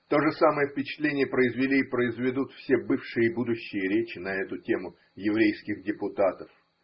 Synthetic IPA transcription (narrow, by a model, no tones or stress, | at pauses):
t̪o̞ʐɨsaməjəfpʲɪt͡ɕɪ̥t̪lʲenʲɪjəpɾəɪzvʲɪlʲiːpɾəɪzvʲɪd̪ut̪fsʲebɨfʂɨjəbud̪ʊɕːɪjəɾʲet͡ɕɪnɐɛt̪ʊtʲe̞mʊ | jɪvɾʲejskʲɪxdʲɪpʊt̪at̪əf